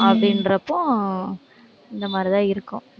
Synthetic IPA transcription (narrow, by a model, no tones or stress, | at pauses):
ɐpɽɪndɾɐpːõ | ɪnd̪ɐmaːd̪ɾɪt̪ãːɪɾɯkːʊ̃